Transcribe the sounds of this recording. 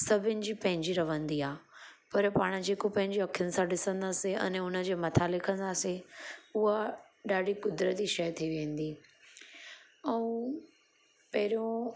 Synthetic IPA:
sɐbʱɪnɪ̆d͡ʑiːpɐ̃ɦɪ̃ɲd͡ʑiɾɐʋ̤ə̃nd̪iaːpɐɾpaːɽ̃ə̆d͡ʑeːkopɐ̃ɦɪ̃ɲd͡ʑiɐkʰijʊnɪ̆sãɗɪsə̃nd̪aːseɛ̰̃nʊnə̆d͡ʑeːmɐt̪ʰaleːkʰənaːseʊɦa | ɗaːɖʱikʊd̪ɾət̪iʃɐjt̪ʰiiʋẽːn̆d̪iː | ɛ̃ː | pɐɦɪɾijõ

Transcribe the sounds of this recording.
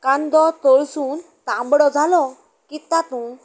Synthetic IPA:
kand̪ɔt̪ɔɭsuːn | t̪ãmbɽɔd͡zʱalɔ | kit̪at̪ũ

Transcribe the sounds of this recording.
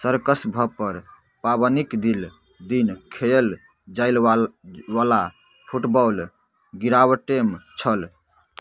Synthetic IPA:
səɾkəsbʱəpəɾ | paβənikd̪il | d̪inkʰel | d͡ʒaɪl | wala | pʰuʈbɔl | ɡiɾaβəʈemt͡ʃʰəl

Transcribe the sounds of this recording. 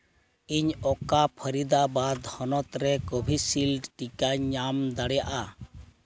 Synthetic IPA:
iɲɔkapʰəɾid̪abad̪hɔnɔt̪ɾɛkɔbʱisilɖʈikaɲːamd̪aɽɛjaʔa

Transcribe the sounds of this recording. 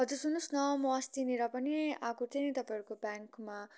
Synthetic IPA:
ɦʌd͡zursunusnʌmʌːst̪ineɾʌpʌniaɡuɾt̪ʰenet̪ʌpaiʌɾukobjaŋkma

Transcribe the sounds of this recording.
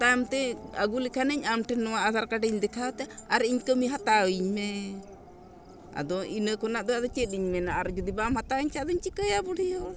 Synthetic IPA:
t̪amt̪ɛəɡulikʰanəɲamʈɛnɔwaʔasaɾkaɖɛɲd̪ɛkʰat̪ɛaɾiɲkəmiɦat̪aəɲmɛ | a̰d̪ɔʔinəkɔnaʔd̪ɔad̪ɔt͡ʃɛt̪̚iɲmɛnaaɾd͡ʒɔd̪ibamhat̪aəɲt͡ʃʰad̪ɔɲt͡ʃikəjabɔɽijɔ

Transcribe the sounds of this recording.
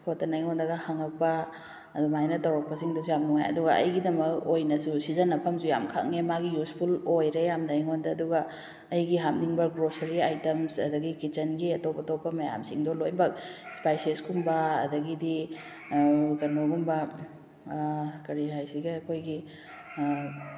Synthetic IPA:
kʰotːɐnɐjŋondɐɡɐhaŋɐk̚pɐː | dumajnɐtɐwɾɐk̚pɐsiŋdosujamnuŋa̰jɐ̰duɡɐɐ̰jɡidɐmɐk̚ojnɐsusizɐnɐpʰɐmsuja̰mkʰa̰k̚ŋemaɡijuspʰulojɾejamnɐjŋondɐːduɡɐː | jɡiɦam̚niŋbɐɡɾosɐɾiajtɐmsɐdɐɡikit͡ʃɐnɡiɐtopɐtopːɐmɐja̰msiŋdolojbɐk̚spajseskumbɐɐ̰dɐɡidi | kɐnoɡumbɐ | kɐɾiɦajsiɡɐɐkʰojɡi

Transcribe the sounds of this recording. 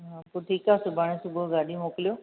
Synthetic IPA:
ɦapoːʈʰiːkaːsʊbʱaːɽ̃ẽsʊbʱoɡaːɗʱĩmoːkɪljoː

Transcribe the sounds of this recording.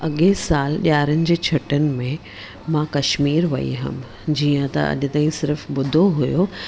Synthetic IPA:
ɐɠesaːlɗaːɾənɪ̆d͡ʑeːt͡ɕʰɐʈənɪ̆mẽ | mãːkɐʃmiːɾʋɐ̰ḭɦɐ̰m | d͡ʑiːə̃t̪ɐ̰ʔɐ̰ʄʊ̆t̪aːɦĩsɪɾfɓʊd̪ʱoɦʊjo

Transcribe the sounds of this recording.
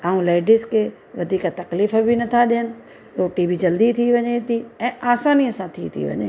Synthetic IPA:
aːũleːɖɪskʰeː | ʋɐd̪ʱiːkat̪ɐkliːfəbɪnɐt̪ʰaɗɪɦənɪ̆ | ɾoːʈibid͡ʑɐld̪it̪ʰiʋɐɲet̪ʰiɛ̃ːaːsaːniəsãt̪ʰit̪ʰḭʋɐ̰ɲḛː

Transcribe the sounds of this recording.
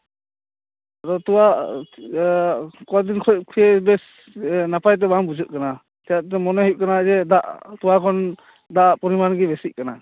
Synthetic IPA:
aɾɔt̪uwa | kɔd̪inkʰɔkʰujɛbɛs | napajt̪̬ɛbambud͡ʒuʔ̚kana | t̪ɛjaʔt̪̬ɛmɔnɔɦiʔ̚kanad͡ʒɛdaʔt̪uwakʰɔn | d̪aʔpɔɾimanɡɛbɛsic̚kana

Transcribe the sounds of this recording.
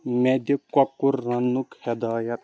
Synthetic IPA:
med̪ekɔkːuɾːɐnːukhɛd̪aːjɐt̪̚

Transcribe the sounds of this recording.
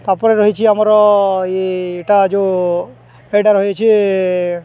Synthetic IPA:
t̪apɔɾeɾɔɦit͡ʃʰiamɔɾɔeːʈad͡ʒo | eɖaɾɦɔjet͡ʃʰi

